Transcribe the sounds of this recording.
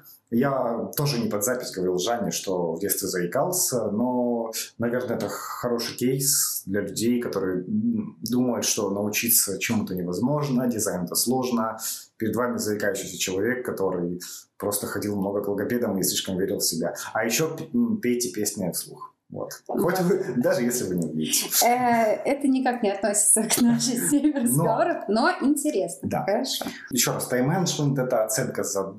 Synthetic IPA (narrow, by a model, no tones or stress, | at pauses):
jat̪o̞ʐɨnʲɪpɐd̪zapʲɪsʲɡəvɐɾʲilˠʐanʲɪʂt̪o̞vdʲet̪st̪vʲɪzəɪkalˠsʲəno̞nɐvʲernəɛt̪əxɐɾo̞ʂɨjkʲejsd̪lʲɐlʲʉdʲejkɐt̪o̞ɾɨjəd̪uməjʊt̪ʂt̪o̞nəʊt͡ɕit̪sət͡ɕɪmut̪ənʲɪvɐzmo̞ʐnədʲɪzajnɛt̪əslˠo̞ʐnəpʲɪɾʲɪd̪vamʲɪzəɪkajʉɕːɪjsʲət͡ɕɪlˠɐvʲe̞kːɐt̪o̞ɾɨj | pɾo̞st̪əxɐdʲilˠmno̞ɡəklˠəɡɐpʲed̪əmisʲlʲiʂkəmvʲeɾʲɪlˠsʲɪbʲaɐjɪɕːopʲpʲejtʲɪpʲesʲnʲɪfslˠṵx | vo̰t̪xot̪ʲvɨd̪aʐɨjesʲlʲɪvɨnʲɪʊvʲḭdʲɪtʲɪ | ɛt̪ənʲɪkaknʲɪɐt̪nosʲɪ̥t̪səknaʂɨsʲemʲrəznɡɐvoɾəfnoʔɪnʲtʲɪɾʲesnəd̪a̰xəɾɐʂo̰ | jɪɕːo̞ɾast̪ɐjmɛnʂonʲt̪ɛt̪əɐt̪sɛnkəzɐ